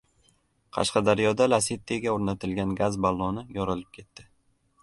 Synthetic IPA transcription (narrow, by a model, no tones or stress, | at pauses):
qʰɑ̰ʃqɑd̪aɾjɒd̪alaset̪ːeɡʲaoɾnat̪ʰɪlɡʲanɡazbalˠːɒnɪjɒɾɪlɪp̚kʲʰe̞t̪ːɪ